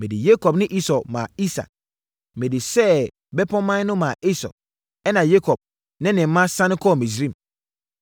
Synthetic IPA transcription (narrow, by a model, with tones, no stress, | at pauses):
mɪ̃˨di˨je˦kʰɔ˨bnɪ̃˦ʔi˦sɔ˨mã˨i˦sa̰˨k | mɪ̃˨di˨sɛ˦ | bɛ˦pʰɔ̃˦mã˦nʊ̃˦mã˨ʔi˦sɔ̰˨ | ɛ˦nã˨je˦kʰɔ˨b̚ | nɪ̃˦nɪ̃˨m̩˦mã˦sã˦nɪ̃˦kʰɔ˦˨mĩ˨s̬ɾĩ˦˨m